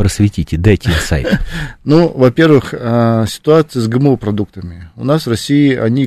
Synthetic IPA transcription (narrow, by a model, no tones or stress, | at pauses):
pɾəsvʲɪtʲitʲɪd̪ɛtʲijsa̰jt̪nuvɐpʲe̞rvɨxəsʲɪ̥t̪ʊat̪sɨjəsɡɨməupɾɐd̪uk̚t̪əmʲɪʊnasvrɐsʲiɪʔɐ̰nʲi